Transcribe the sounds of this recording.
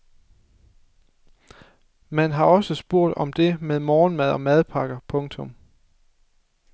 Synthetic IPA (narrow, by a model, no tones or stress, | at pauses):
mænɦɑ̈ɒ̽səsb̥o̝ɐ̰d̥ɒ̽md̥e̝meðˠmɒːnmæð̞ˠɒ̽mæð̞ˠpʰɑ̈ɡ̥ɐpʰɔ̽ŋt͡sʰɔ̽m